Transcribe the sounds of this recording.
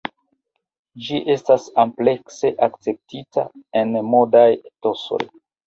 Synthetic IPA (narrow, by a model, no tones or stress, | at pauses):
d͡ʒiʔe̞stasample̞kse̞ʔak̚t͡se̞p̚tita̰e̞nmo̞dajto̞so̞̰j